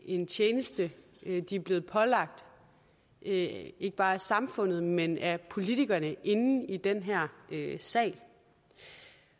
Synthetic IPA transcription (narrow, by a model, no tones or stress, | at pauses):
e̝nt͡sʰjeːnəsd̥ə | d̥iæb̥le̝ːð̞̩ˠpʰɒ̽lɑ̈ɡ̥̚d̥ | e̝ɡ̥əb̥ɑ̈ːæsɑ̈mfɔ̽n̰ð̞̩ˠmenæɐpʰo̝lit͡sʰiɡ̥ɐnəʔe̝nn̩id̥enɦæɐ̰øsɛ̰ɪ̰l